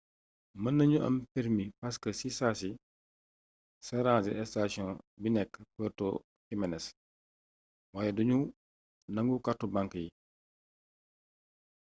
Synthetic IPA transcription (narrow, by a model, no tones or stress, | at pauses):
mɐnːɐɲuʔɐ̰mpɛɾmipaskəsisaːsi | sɐɾãːd͡ʒɛʔɛstasjɔ̃nbinɛkːəpəːrtɔ | kimɛnɛs | waːjɛduɲu | nɐŋɡukatːubaŋkəji